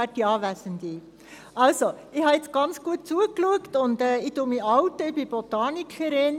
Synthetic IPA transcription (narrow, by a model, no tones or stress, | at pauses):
ædiɑːvæsəndi | ʔɑlso | ɪhɑɪt͡sɡ̥ɑnt͡sɡ̥uət̚t͡suəkluəktʊndɛːɪdumiɑʊtəɪbib̥otɑːnikʰəɾɪn